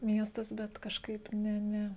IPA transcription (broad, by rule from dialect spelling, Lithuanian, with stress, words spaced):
ˈmʲiɛstɐs ˈbʲɛt kɐʃˈkɐɪp ˈnʲɛ ˈnʲɛ